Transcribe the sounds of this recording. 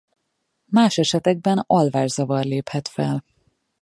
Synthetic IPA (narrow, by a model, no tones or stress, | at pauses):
maːʃɛʃɛt̪ɛɡ̚bɛnɒlvaːʒzɒvɒrleːphɛt̪fɛl